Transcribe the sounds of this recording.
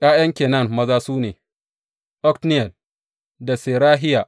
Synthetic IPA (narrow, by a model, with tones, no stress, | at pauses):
ʔʼaː˦jɐ˦ŋkʲeː˨nɐ˦˨nmɐ˦zaː˦suː˦neː˨ | ʔɔ˦ktnɪ˦jɐ˨l | da˨seː˨ɾaː˦ɦɪ˦jaː˨ʔ